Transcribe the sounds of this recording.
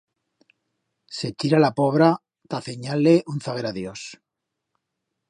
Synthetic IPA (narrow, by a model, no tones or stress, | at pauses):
se̞t͡ʃiɾalapo̞β̞ɾa | t̪aθeɲalːeʔunθaɣe̞ɾaðjo̞s